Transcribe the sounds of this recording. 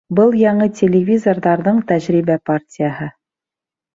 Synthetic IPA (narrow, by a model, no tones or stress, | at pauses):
bɤlˠjɑɴɤtʲʰelʲɪvʲizorðɑɾðɤɴt̪æʑɾibæpartʲɪjəɦɤ